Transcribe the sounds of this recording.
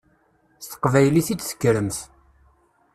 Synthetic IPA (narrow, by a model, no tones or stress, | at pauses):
st̪ə̥qvæjliθit͡sːsə̥kːɾəmθ